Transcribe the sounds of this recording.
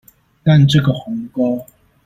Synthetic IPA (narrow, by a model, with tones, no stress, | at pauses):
k̪a˥˧˨nʈ͡ʂɤ˥˨ɡə˨˩xʊ˨˦ŋkɔ˦